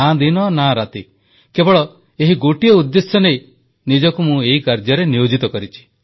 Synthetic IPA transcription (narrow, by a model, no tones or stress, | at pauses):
ãd̪inɔnaɾat̪i | kebɔɭɔ | eɦiɡoʈijɔud̪ːesjɔnej | nid͡ʒɔkumũeikaɾd͡ʒɔɾenijod͡ʒit̪ɔkɔɾit͡ʃʰi̥